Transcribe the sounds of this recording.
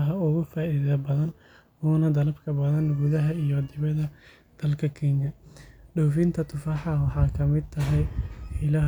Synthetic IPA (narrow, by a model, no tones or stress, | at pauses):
ɦɐʊɣʊfaːiːðɐbɐðɐn | uːnɐd̪ɐlɐbkʰɐbɐðɐnɡʊðɐɦɐijɔd̪ɪβɐðɐ | d̪̥ɐlkʰɐkʰɛːŋjɐɖɔwfint̪ʰɐt̪ʰʊfaːħɑwɑħɑːkʰɐmɪd̪̚t̪ʰɐɦɛjħɪlɐɦ